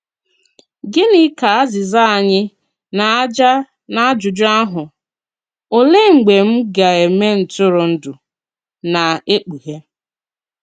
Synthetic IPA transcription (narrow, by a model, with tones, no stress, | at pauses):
ɡɪ˦nɪ˦ka˨a˦zɪ˨za˦a˨ɲɪ˦ | na˨a˦d͡ʒa˦ | na˦a˦d͡ʒʊ˨d͡ʒʊ˦a˦ɦʊ˨ | o˨le˦ŋ͡m̩˨ɡ͡be˨m̩˦ɡa˨e˨˦me˦n̩˨tʊ˦ɾʊ˨n̩˦dʊ˨ | na˨e˦k͡pu˨ɦe˦